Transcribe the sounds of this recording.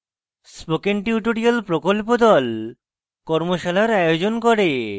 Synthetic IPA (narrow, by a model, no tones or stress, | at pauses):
spokenʈiuʈoɾialpɾokolpod̪ɔl | kɔɾmoʃalaɾajod͡ʑonkoɾe